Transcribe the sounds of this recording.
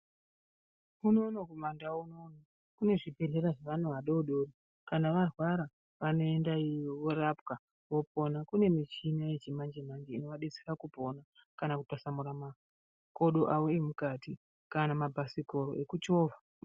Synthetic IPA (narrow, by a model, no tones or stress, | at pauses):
uno̞nokumandauno̞na | kune̞ʐibʱe̞ɮe̞ɾaʐeʋanuʋaɗoɗori | kanaʋarwaɾa | ʋano̞e̞ndaijoʋoɾapka | ʋo̞p̚o̞nakune̞mit͡ʃinaet͡ʃimand͡ʒemand͡ʒeino̞ʋaɗesi̥rakupo̞na | kanakutasamuɾama | koɗo̞ʔawoemukati | kanamabʱasiko̞ɾo̞̰ʔe̞kut͡ʃo̞ːva